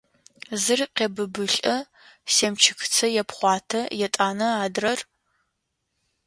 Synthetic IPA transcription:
zɨrqʲeːbɨbɨɬʼɐ | seːmt͡ʃʰɪxt͡sʰɐjɛpχʷɑːtʰɐjɛtʼaːnɐaːdrɐr

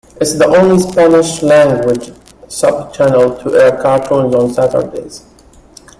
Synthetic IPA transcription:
ʔɪtsðiʔõʊ̃nlispænɪʃlæ̃ŋɡwɪ̥d͡ʒ | sʌb̚t͡ʃʰænəlˠtʰəʔɛɹkʰɑɹtʰõnz̃n̩sætə̰˞deɪz̥

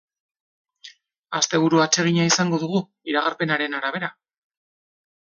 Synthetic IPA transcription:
ast̪e̞β̞uɾuat͡ʃe̞ɣ̞iɲaisaŋɡo̞ðuɣu | iɾaɣaɾpe̞naɾe̞naɾaβ̞e̞ɾa

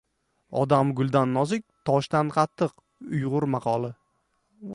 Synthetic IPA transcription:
ɒ̰d̪amɡʊlˠd̪anːɒzɪk̚ʲt̪ʰɒʃt̪anqʰɑt̪ʰːɨq | ʊjʁʊɾmɑqʰɒlˠɪ

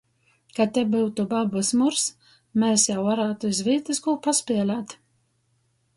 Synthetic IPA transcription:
kat̪ʲɛbuwt̪ubabɨsmuɾs | mɛːsjawvaɾaːt̪uizviːt̪ɨskuːpaspʲiɛlʲat̪

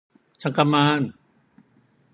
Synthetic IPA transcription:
t͡ɕʰakamaːn

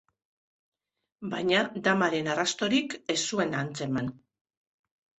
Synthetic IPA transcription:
bajɲad̪amaɾe̞narast̪o̞ɾike̞sːue̞nant͡se̞man

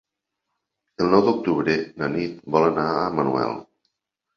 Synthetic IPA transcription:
əlˠnɔwd̪uk̚t̪uβɾenənit̪̚bɔlənaəmənṵɛ̰lˠ

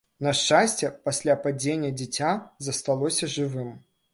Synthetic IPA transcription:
nɐʂt͡ʂːasʲt͡sʲɛpasʲlʲapad͡zʲenʲːɐd͡zʲɛt͡sʲazɐst̪alˠɔsʲɐʐɨvɨm

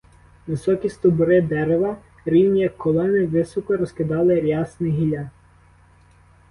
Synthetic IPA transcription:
ʋɪsɔkʲist̪ɔbʊɾɪd̪ɛɾeʋɐ | ɾʲiwnʲijɐkʰːɔlˠɔnɪʋɪsɔkɔɾɔskɪd̪ɑlˠɪɾʲjɑsnɪɦilʲɑ

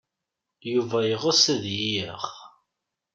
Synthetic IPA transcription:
juvæjəʁəsəðjijəʁ

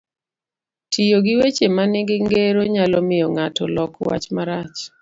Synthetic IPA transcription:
tʰijoɡɪwet͡ʃemanɪɡɪŋɡeɾoɲalɔmɪjɔŋatɔ̰lɔkwa̰t͡ʃmaɾat͡ʃ

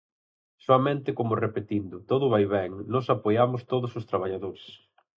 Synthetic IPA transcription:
soɐmẽnt̪ɪkomʊrepet̪ind̪ʊt̪oðʊβajβɛŋnɔsapojamʊst̪oðʊsʊst̪ɾaβ̞aʎaðoɾes

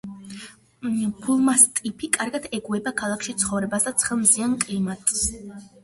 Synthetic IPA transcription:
pʰulˠmast̪ʼipʰikʼaɾɡad̪ɛɡuɛbakʰalˠakʰʃit̪sʰχɔvɾɛbasd̪at̪sʰχɛlˠmziankʼlimat̪ʼs

